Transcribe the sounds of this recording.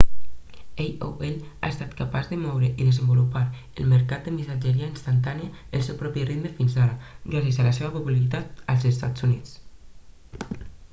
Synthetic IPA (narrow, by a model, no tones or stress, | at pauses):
ejo̰ʔela̰est̪at̪kapazðəmɔwɾəʔiðəzəmbulupaɾ | əlməɾkat̪̚d̪əmisad͡ʒəɾiainst̪ant̪aniaəlˠsewpɾɔpirit̪məfinzaɾaɡɾas̬iəzalaseβapupulaɾit̪at̪alˠzest̪a̰t͡szunit͡s